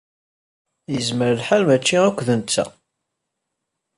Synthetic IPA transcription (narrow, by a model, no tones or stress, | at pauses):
jəzməɾəlħalmæt͡ʃːiækʷːðənt͡sːæ̰